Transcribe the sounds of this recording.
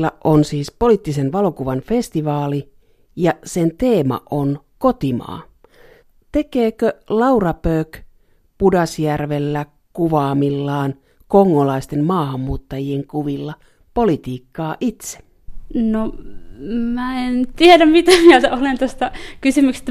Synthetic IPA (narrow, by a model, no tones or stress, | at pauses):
lːɑʔonsiːspo̞lit̪ːisenʋɑlo̞kuʋɑnfe̞st̪iʋɑːli | jɑsent̪eːmɑ̰ʔonkot̪imɑ̰ː | t̪e̞keːkølɑurɑpøːk | pudɑsjærʋelːæ | kuʋɑːmilːɑːn | koŋːolɑist̪emmɑːhɑmːuːt̪ːɑjieŋkuʋilːɑ | polit̪iːkːɑːʔit̪se̥ | no | mæent̪iæɾæmmit̪æmiæt̪æolent̪ost̪ɑkysymykse̥t̪ː